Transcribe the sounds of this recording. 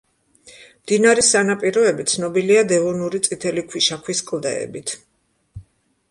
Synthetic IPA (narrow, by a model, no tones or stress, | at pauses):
md̪̥inaɾɛsanapʼiɾɔɛbit̪sʰnɔbiliad̪ɛvɔnuɾit̪sʼit̪ʰɛlikʰwiʃakʰwiskʼlˠd̪ɛ̰ɛ̰bit̪ʰ